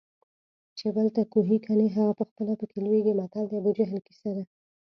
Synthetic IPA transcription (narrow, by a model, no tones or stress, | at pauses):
t͡ʃebəlt̪akuɦikʰaneɦaɣapəxpəlapəkelweɡimat̪ald̪əabud͡ʒaɦɪlki̥sad̪a